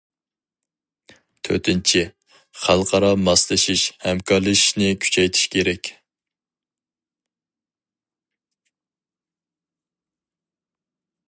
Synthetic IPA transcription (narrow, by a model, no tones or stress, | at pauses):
t̪ʰø̰t̪ʰɪnt͡ʃʰɪ | χælˠqʰɑɾɑmɑslˠɨʃiʃhɛmkʰɑɾlˠɨʃnɪkʲʰy̥t͡ʃʰɛjt̪ʰi̥ʃkʲʰeɾɛkʲ